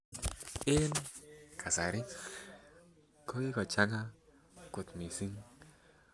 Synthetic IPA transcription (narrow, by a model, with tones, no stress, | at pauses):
ɪ˦nkʰa˨sa˨ɾɪ˦ | kɔ˦kɪ˦kɔ˨t͡ʃa˦ŋa˦ | kʊ˨t̪mi˨si˦ŋ